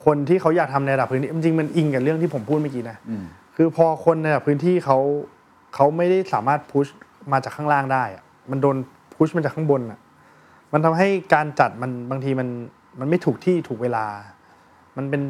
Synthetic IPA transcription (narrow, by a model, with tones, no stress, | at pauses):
kʰo˧nt̪ʰiː˥˩kʰa˦˥wjaː˨˩k̚t̪ʰa˧mna˧ɾda˨˩pʰːɯː˦˥nʰiː˥˩t͡ɕi˧ŋt͡ɕi˧ŋma˧nʔi˧ŋka˨˩ɾɯ˥˩əŋt̪ʰiː˥˩pʰo˩˦pʰuː˥˩ma˥˩kiː˧na˦˥kʰɯː˧pʰɔː˧kʰo˧nː˧ɾda˨˩pʰːɯː˦˥nt̪ʰiː˥˩kʰa˦˥w | kʰa˦˥wma˥˩jda˥˩jsaː˩˦maː˥˩t̪̚pʰu˦˥smaː˧t͡ɕaː˨˩kʰːaː˥˩laː˥˩ŋdaː˥˩jʔa̰˨˩ | ma˧ndoː˧n | pʰu˦˥ma˧t͡ɕaː˨˩kʰa˥˩bo˧nʔa̰˨˩ʔ | ma˧nt̪ʰa˧mɦa˥˩jkaː˧nt͡ɕa˨˩t̪̚ma˧nbaː˧ŋt̪ʰiː˧ma˧n | ma˧nma˥˩jt̪ʰuː˨˩k̚t̪ʰiː˥˩t̪ʰuː˨˩k̚weː˧laː˧ | ma˧npe˧n